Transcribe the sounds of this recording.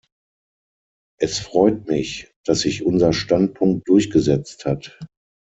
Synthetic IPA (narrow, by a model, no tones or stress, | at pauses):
ʔɛsfʁ̥ɔʏtmɪçd̥asz̥ɪçʔʊnzɐʃtant̚pʰʊŋk̚t̚d̥ʊɐçɡ̥əzɛt͡sthat